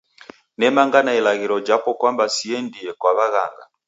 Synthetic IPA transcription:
nɛmaŋɡanailaɣiɾɔd͡ʒapɔkwambasiɛndiɛkwaβaɣa̰ŋɡa̰

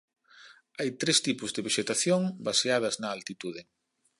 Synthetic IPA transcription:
ajt̪ɾest̪ipʊzðeβeʃet̪aθjoŋbaseað̞ɐznɐːlt̪it̪uð̞ɪ

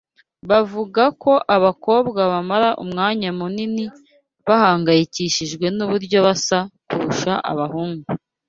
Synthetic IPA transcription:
βavuɡako̞ʔaβako̞ːbɡaβamaɾaʔṵmŋaːɲamunini | βahaːŋɡajiciʃiʒɡwe̞nuβuɾɟo̞βasakuɾuʃaʔa̰βahuːŋɡu

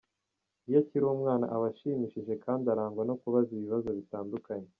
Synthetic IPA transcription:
ijaciɾuumŋaːna̰ʔaβaʃiːmiʃiʒe̞kaːndiaɾaːŋɡwano̞kuβaziβiβazo̞βitaːndukaɲe

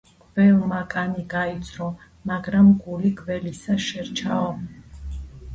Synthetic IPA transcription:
ɡ̥vɛlˠmakʼaniɡait̪sʰɾɔ | maɡɾamɡuliɡʼvɛlisaʃɛɾt͡ʃʰaɔ

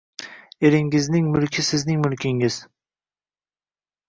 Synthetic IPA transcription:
eɾɪŋɪznɪŋmʊlkʲʰɪsɪznɪŋmʊlkʲʰɪŋɪz̥

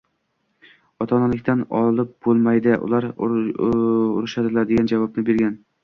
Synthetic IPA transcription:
ɒt̪ʰɒnalɪkʲt̪ʰanɒ̰lˠɪp̚b̥olˠmajd̪ɪʔʊ̰lˠaɾ | ʊ̰ɾɪʃad̪ɪlaɾd̪e̞ɡʲand͡ʒavɒpnɪbe̞ɾɡʲan

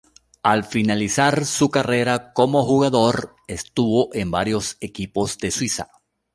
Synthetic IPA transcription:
alfinalisaɾsukare̞ɾako̞mo̞xuɣaðo̞ɾ | e̞st̪uβo̞ʔe̞mbaɾjo̞se̞kipo̞zd̪e̞swisa̰

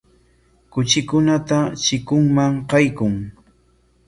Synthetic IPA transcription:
kʊt͡ʃɪkʊnat̪at͡ʃɪkʊŋmaŋqɑjkʊŋ

